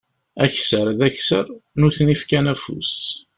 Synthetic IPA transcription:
æçsəɾðæçsəɾnuθnifkænæfṵs

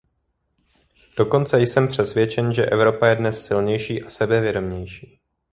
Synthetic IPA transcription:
d̥o̞ko̞nt͡sɛjsɛmpr̝̥ɛsvjɛt͡ʃɛnʒɛʔɛvɾo̞pajɛdnɛsːɪlɲɛjʃiːʔasɛbɛvjɛdo̞mɲɛjʃiː

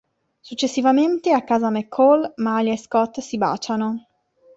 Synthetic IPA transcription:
sut͡ʃːesːivament̪eakːaːzamekʰːɔlmaʎaeskɔt̪ːsiba̰ːt͡ʃano

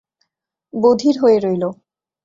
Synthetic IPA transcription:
bod̪ʱiɾɦoeɾojlo

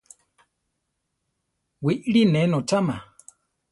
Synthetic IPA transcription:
wiʔɺinɛnɔt͡ʃama̰

